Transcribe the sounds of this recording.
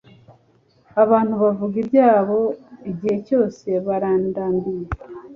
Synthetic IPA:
aβaːn̥huβavuɡibɟaːβo̞iɟihe̞co̞ːse̞βaɾaːndaːndije

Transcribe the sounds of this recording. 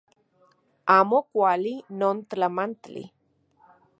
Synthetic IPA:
aːmokʷalinont̪lamant̪lḭ

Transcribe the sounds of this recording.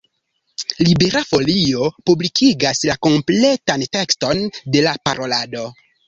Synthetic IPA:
libeɾafo̞lio̞publikʰiɡaslako̞mple̞tante̞ksto̞nde̞lapaɾʔo̞lado̞

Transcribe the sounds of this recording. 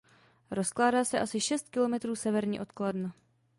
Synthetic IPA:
ɾo̞sklaːdaːsɛʔasɪʃɛst̪kɪlo̞mɛt̪ɾuːsɛvɛɾɲḭːʔo̞t̪koladna

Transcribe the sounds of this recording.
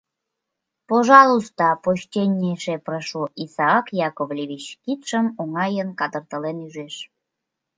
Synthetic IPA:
poʒɑlust̪ɑpoɕt̪ʲenʲːeʃeprəʃuʔisɑːkjɑkoβlʲeβit͡ɕkit̪ʃə̆noŋɑjənkɑd̪ə̆rt̪ə̆lenyʒeʃ

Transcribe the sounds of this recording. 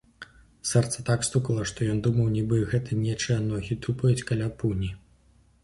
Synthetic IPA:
sɛrt̪sɐt̪akst̪ukɐlˠɐʂt̪ɔjɔnd̪umɐwnʲibɨɣɛt̪ʰɐnʲɛt͡ʂɨjɐnɔɣʲit̪upɐjut͡sʲkɐlʲapunʲi

